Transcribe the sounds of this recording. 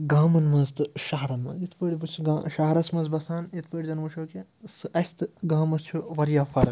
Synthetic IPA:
ɡaːmɐnmɐzt̪ɨʃɐɦɾɐnmɐ̰zit̪ʰpɐɽʲibut͡ʃʰɡaʃɐɦɐɾɐsmɐzbɐsaːnit̪ʰpəɽʲizɐnmuʃʰoːkʲisɨɐst̪ɨɡaːmɐst͡ʃʰuʋɐɾjaːpʰɐɾɐ

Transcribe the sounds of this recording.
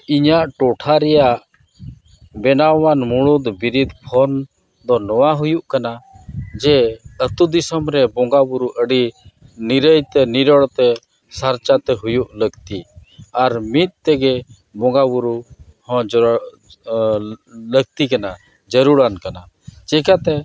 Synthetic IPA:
iɲaʔʈɔʈʰaɾɛjaʔ | bɛnawanmuɽud̪biɾid̪pʰɔn | d̪ɔnɔwaɦujuʔkanad͡ʒɛət̪ud̪isəmɾɛbɔŋɡabuɾuʔəɖi | niɾəjt̪ɛniɾɔɽt̪ɛ | saɾt͡ʃat̪ɛɦujuʔləɡt̪iaɾmit̪̚ˀt̪ɛɡɛ | bɔŋɡabuɾuhɔ̃d͡ʒ | ləɡ̚t̪ikana | d͡ʒəɾuɽankana | d͡ʒɛkat̪ɛ

